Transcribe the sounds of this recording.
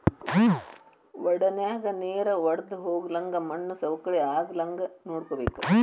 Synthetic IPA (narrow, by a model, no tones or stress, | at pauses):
ʋɐɽɐnjaːɡɐneːɾɐʋɐɽɐd̪uɦoːɡlɐŋɡɐmɐɳːusɐʋɐkːɐɭeaːɡɐlɐŋɡɐnoːɽkobeːku